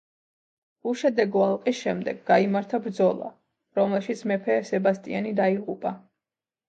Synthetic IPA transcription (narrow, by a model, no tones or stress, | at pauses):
uʃɛd̪ɛɡɔalˠqʼisʃɛmd̪ɛɡːaimaɾt̪ʰabɾd̪zɔlˠa̰ | ɾɔmɛlˠʃit̪sʰmɛpʰɛsɛbast̪ʼianid̪aiʁupʼa